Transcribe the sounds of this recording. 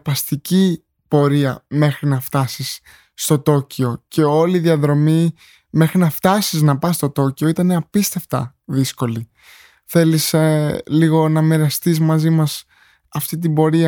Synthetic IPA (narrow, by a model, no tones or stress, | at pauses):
pɐst̪ici | po̞ɾiɐme̞xɾinɐft̪ɐsisː | t̪o̞t̪o̞cio̞ce̞o̞liðiɐðɾo̞mi | me̞xɾinɐft̪ɐsiznɐpɐst̪o̞t̪o̞cio̞it̪ɐneɐpist̪e̞ft̪ɐ̰ðisko̞li | θe̞lisliɣo̞nɐmeɾɐst̪izmɐzimɐs | ɐft̪it̪̬ibo̞ɾiɐ